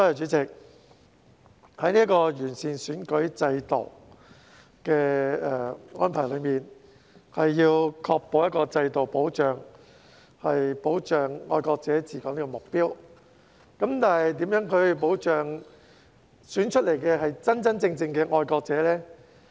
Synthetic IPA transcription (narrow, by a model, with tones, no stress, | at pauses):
sɔː˥jɐ˨wt͡ʃyː˨˥t͡sɪ˨k̚ | hɐ˨˥jniː˥kɔː˧jyː˨˩nsiː˨˩nsyː˨˥nkɵ˨˥ɥt͡sɐ˧jt̪o̰˨˩w | kɛː˧ɛː˨˩ŋɔː˥npʰaː˨˩jlɵ˨˧ɥmiː˨n | hɐ˨jːiː˧wkʰɔː˧k̚po˨˧wjɐ˥t̚kɔː˧t͡sɐ˧jt̪o˨wpo˨˥wt͡ʃœː˨˩ŋ | hɐ˨jpo˨˥wt͡ʃœː˨ŋːɔ̰ː˧jkɔː˧k̚t͡sɛː˨˥t͡siː˨˩kɔː˨˥ŋliː˥kɔ˧˨mʊ˨k̚piː˥w | kɐ˨˥mt̪aː˨˩nhɐ˨jt̪̬iː˨˥mjœː˨˥ŋkʰɵ˨˧ɥpo˨˥wt͡ʃœː˨ŋ | syː˨˥nt͡ʃʰɵ˥t̚le˨˩jkɛː˧ɦɐ˨jt͡sɐ˥nt͡sɐ˥nt͡sɪ˧ŋt͡sɪ˧ŋkɛː˧ŋɔː˧jkɔː˧k̚t͡sɛː˨˥lɛː˥